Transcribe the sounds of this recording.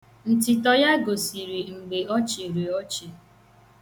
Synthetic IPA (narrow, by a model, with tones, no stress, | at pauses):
n̩˨tɪ˨tɔ˨ja˦ɡo˨si˨ɾi˨ŋ͡m̩˨ɡ͡be˨ɔ˦t͡ʃi˨ɾi˨ɔ˦t͡ʃi˨